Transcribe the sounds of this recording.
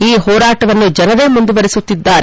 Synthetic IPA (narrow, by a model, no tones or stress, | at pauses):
iːɦɔːɾaːʈɐʋɐnːud͡ʒɐnɐɾe̞ːmund̪uʋɐɾisut̪ːid̪ːaːɾe